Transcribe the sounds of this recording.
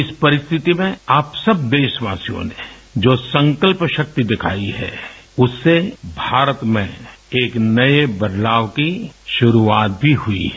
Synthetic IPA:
ɪspɐɾɪst̪ʰɪt̪imẽaːpsɐbd̪eːʃʋaːsijõ̰ned͡ʒoːsə̃ŋkəlpʃɐk̚t̪id̪ɪkʰa̰ːiɦɛ̰ːʊsːebʱaːɾət̪mẽeːknɐebɐd̪laːʋkiʃʊɾuaːt̪̚bʱiɦʊḭɦɛ

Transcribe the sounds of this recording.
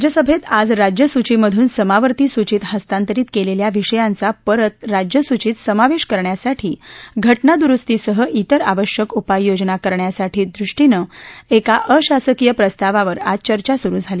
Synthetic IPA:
d͡ʑjəsəbʱet̪ad͡zɾad͡ʑjəsut͡ɕiməd̪ʱuːnsəmaʋəɾt̪iːsut͡ɕiːt̪ɦəst̪ant̪əɾiːt̪keleljaʋiʂəjant͡sapəɾət̪ɾad͡ʑjəsut͡ɕiːt̪səmaʋeʂkəɾɳjasaʈʰiːɡʱəʈnad̪uɾust̪iːsəɦəʔit̪əɾaʋəɕjəkupajːod͡znakəɾɳjasaʈʰiːd̪ɾuʂʈinəekaʔəɕasəkijəpɾəst̪aʋaʋəɾa̰d͡zt͡ɕəɾt͡ɕasuɾũːd͡zʱali

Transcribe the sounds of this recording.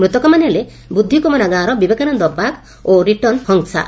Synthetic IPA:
mɾut̪ɔkɔmanele | bud̪ʱːikɔmɔnaɡaːɾɔbibekanɔnd̪ɔpak | oɾiʈɔnhɔŋsa̰

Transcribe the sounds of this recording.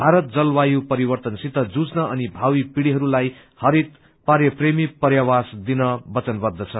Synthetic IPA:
bʱaɾʌt̪̚d͡zʌlwajupʌɾibʌrt̪ʌnsit̪ʌd͡zud͡znʌʌnibʱawipiɽiɦʌɾulaj | hʌɾit̪̚ | paɾjʌpremipʌrjawasd̪inʌbʌt͡sʌnbʌd̪ːʌt͡sʰʌ

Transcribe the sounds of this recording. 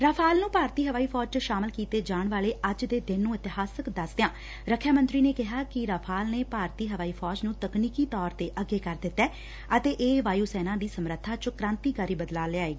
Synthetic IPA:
ɾaːpʰaːlnũːpaːɾt̪iːɦəʋaːiːpʰɔːd͡ʒt͡ʃʃaːmɪlkiːt̪eːd͡ʒaːɳʋaːleːʔəd͡ʒd̪eːd̪ɪnːũːɪt̪ɪɦaːsəkd̪əsd̪ejãː | ɾəkʰːjaːmə̃nt̪ɾiːneːkɪɦaːkɪɾaːpʰaːlneːpaːɾt̪iːɦəʋaːiːpʰɔːd͡ʒnũːt̪əkniːkiːt̪ɔːɾt̪eːʔəɡːeːkəɾd̪ɪt̪ːɛː | ət̪eːʔeːʋaːjuːsɛːnãːd̪iːsəmɾət̪ʰːaːt͡ʃkɾãːnt̪iːkaːɾiːbəd̪laːleaːeːɡiː

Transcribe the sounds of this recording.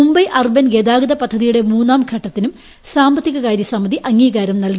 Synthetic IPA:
umbɐjʔɐrbɐnɡeːd̪aːɡɐðɐpɐd̪ʱːɐðijuɽemuːnːaːmɡʱɐʈːɐt̪ːinum | saːmbɐt̪ːiɣɐkaːjd̪isɐmːɐðiʔɐŋːiːɡaːɾɐmnɐlɡ

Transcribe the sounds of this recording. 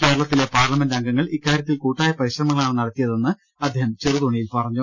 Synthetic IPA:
ke̞ːɾɐɭɐt̪ːile̞paːrlɐmendɐŋɡɐŋːɐɭikːaːɾjɐt̪ːilkuːʈːaːjɐpɐɾiɕrɐmɐŋːɐɭaːɳɨnɐɽɐt̪ːijɐðe̞nːɨ | ɐd̪ʱːeːhɐmt͡ɕeruðoɳijilpɐrɐɲːu

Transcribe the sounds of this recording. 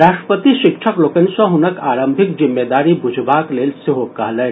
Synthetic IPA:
ɾaːʃʈɾəpət̪iʃɪkʃʰəkloːkənsɐ̃ɦʊnɐkaːɾə̃mbʱɪkd͡ʒɪmːeːd̪aːɾibʊd͡ʒʱbaːkleːlsɪɦokaːlɛ

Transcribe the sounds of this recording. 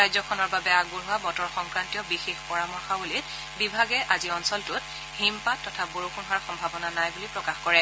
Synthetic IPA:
ajzɔkʰɔnɔɹbabɛaɡuɹɦʊwabɔtɔɹxɔŋkɹantijɔbixexpɔɹamɔɹxabulit | bibʱaɡɛʔaziɔnsɔltʊt | himpatːɔtʰaboɹukunɦaɹxɔmbʱabɔnanajbulipɹɔkaxkɔɹɛ

